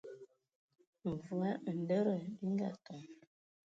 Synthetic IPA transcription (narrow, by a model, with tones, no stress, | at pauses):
ɱ̩˨vu˨a˦n̩˨də˦ɾə˨bi˦ŋ˦ɡa̰˨tɔ˨